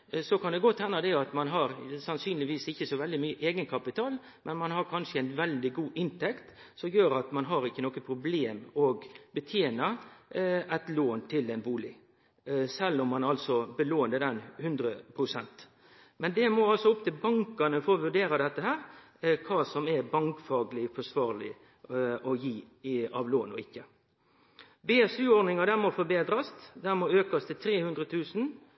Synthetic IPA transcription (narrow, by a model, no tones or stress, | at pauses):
sɔkʰɑnd̪ɛɡɔt̪ːhɛnːəd̪ɛɑt̪mɑnɦɑɾsɑnsyːnlɪʋiːsɪçːəsɔʋɛld̪ɪmyːəʔeːɡənkʰɑpɪt̪ʰɑːl | mɛnmɑnɦɑɾkʰɑnʂəɛɪnʋɛld̪ɪɡuːʔɪnt̪ʰɛkt̪ | sɔmjøːɾɑt̪mɑnɦɑɾɪçːənoːkəpʰɾʊbleːmɔɡbət̪ʰjeːnə | ɛt̪loːnt̪ʰɪlɛnbuːlɪ | sɛlːɔmːɑnɑlsɔbəloːnəd̪ɛnhʉnd̪ɾəpʰɾʊsɛnt̪ | mɛnd̪ɛmɔɑlsɔʊpt̪ʰɪlbɑŋkɑnəfɔːɔʋʉɖeːɾɑd̪ɛt̪ːəɦæːɾ | kʰɑːsɔmɛɾbɑŋkfɑːɡlɪfɔʂʋɑːɾlɪ | ɔjiː | ɑʋloːnɔɪkːə | beːɛsʉːɔnɪŋɑd̪æmɔfɔbeːd̪ɾɑst̪d̪æmɔːøːkɑst̪ʰɪlt̪ʰɾeːhʉnd̪ɾət̪ʰʉːsn̩